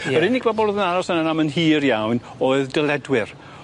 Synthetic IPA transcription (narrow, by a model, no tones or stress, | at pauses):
əɾɪnɪɡ̥̚bɔbɔlˠoðənaɾɔsənanamənɦiːɾjawn | oːɨðdəlˠɛdwɪr